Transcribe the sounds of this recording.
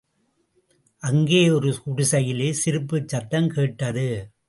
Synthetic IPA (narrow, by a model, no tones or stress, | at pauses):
ʔɐŋɡeːɔɾɯkʊɽɪsɐjɪleːsɪɾɯpːɯt͡ʃːɐt̪ːɐmkeːʈːɐðɯ